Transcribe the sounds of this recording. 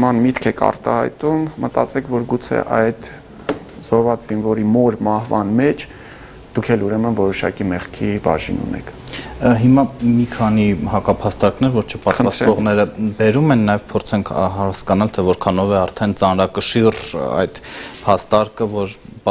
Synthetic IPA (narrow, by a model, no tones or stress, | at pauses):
əmɑnmit̪kʰɛkʰɑ̰rt̪ɑ̰hɑ̰jt̪umːət̪ɑ̰t͡sɛkʰvɔɾɡut͡sʰɛ̰ʔɑjd̪ | z̥ɔɾvɑt͡szinvɔɾimɔɾmɑhvɑnmɛt͡ʃʰ | d̪̥ukʰɛluɾɛmənvɔɾɔʃɑkimɛχkʰibɑ̰ʒḭnṵnɛ̰kʰɦimɑmikʰɑnihɑkɑpʰɑst̪ɑɾknɛɾvɔɾt͡ʃʰə̥pɑt̪vɑst̪vɔʁnɛɾəbɛɾumɛnːɑjɛvpʰɔɾt͡sʰɛŋkʰɦɑskɑnɑlt̪ʰɛvɔɾkʰɑnɔvɛɑɾt̪ʰɛnt͡sɑnɾɑkəʃirɑ̰jd̪̥pʰɑst̪ɑɾkəvɔɾ